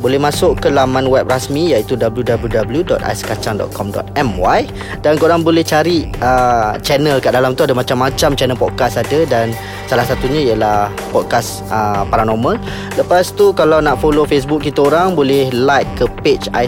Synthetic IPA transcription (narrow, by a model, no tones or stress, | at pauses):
bolɛhmãsʊʔkəlamãnwɛp̚rasmĩjait̪udabəljudabəljudabəljudɔt̪̚a̰jskat͡ʃaŋdɔ̰t̪̚kʰɔmdɔ̰t̪̚ɛmwaj | dankəoɾaŋbolɛht͡ʃaɾiət͡ʃɛnə̃lkaʔdalamt̪uadamãt͡ʃamːãt͡ʃamt͡ʃɛnəlpɔd̚kasadadan | salahsat̪uɲãijəlah | pɔd̚kas | əpaɾanɔmə̃l | ləpast̪ukalawnaʔfolofes̬buk̚ːit̪aoɾaŋbolɛhlajkkːəpet͡ʃa̰